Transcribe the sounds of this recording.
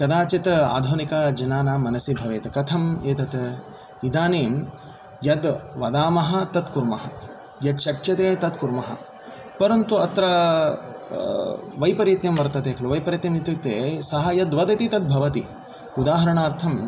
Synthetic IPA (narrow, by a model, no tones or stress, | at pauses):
kɐd̪aːt͡ʃit̪a̰ːd̪ʱoːnikaːd͡ʒɐnaːnaːmːɐnɐsibʱɐʋeːt̪ɐkɐt̪ʰɐmeːt̪ɐt̪ | ʋid̪ʱaːneːm | jɐd̪ʋɐd̪aːmɐɦɐ̆t̪ɐt̪kuɾmɐɦɐ̆ | jɐd̪ʃɐkjɐt̪eːt̪ɐt̪kuɾmɐɦɐ̰̆ | pɐɾɐnt̪uɐt̪ɾɐ | ʋɐjpɐɾit̪jɐmʋɐɾt̪ɐt̪eːkʰɐluʋɐjpɐɾjit̪jɐmit̪it̪eːsɐɦɐjɐd̪ʋɐd̪ɐt̪it̪ɐt̪̚bʱɐʋɐt̪ḭ | ud̪aːɦɐɾɐɳaːɾt̪ʰɐm